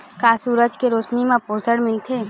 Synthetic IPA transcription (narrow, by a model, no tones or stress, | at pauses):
kaːsuːɾəd͡ʒkeɾoːt͡ʃnimẽpʊɾsəɽmɪlt̪ʰeː